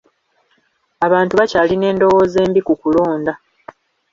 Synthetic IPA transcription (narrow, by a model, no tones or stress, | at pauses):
aβaːntuβacaːline̞ːndo̞woːze̞ːmbikukulo̞ːnda